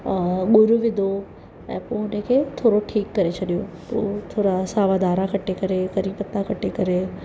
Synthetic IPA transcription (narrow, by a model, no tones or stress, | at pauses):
ɠʊɾuʋɪd̪ʱo | ɛ̰̃ːpoːɦʊnə̃kʰeːt̪ʰoːɾoʈʰiːkːɐɾet͡ɕʰɐɗijopo̰ːt̪ʰoːɾasaːʋaːd̪aːɾakʰɐʈekɐɾekɐɾĩpɐt̪ãkʰɐʈʰekɐɾe